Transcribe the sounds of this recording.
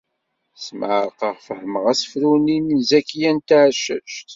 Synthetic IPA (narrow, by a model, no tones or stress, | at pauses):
sməʕəɾqəʁfəhməʁæsə̥fɾuninzækːjænt̪ʕʃə̰ʃt̪